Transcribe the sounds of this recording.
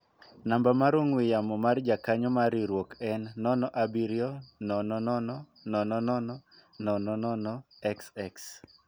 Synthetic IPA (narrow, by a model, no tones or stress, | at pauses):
nambamaɾoŋwɪjamɔmard͡ʒakaɲɔmaɾiɾwokɛnːɔnɔʔabiɾjɔnɔnɔnɔnɔ | nɔnɔnɔnɔnɔnɔnɔnɔɛksɛks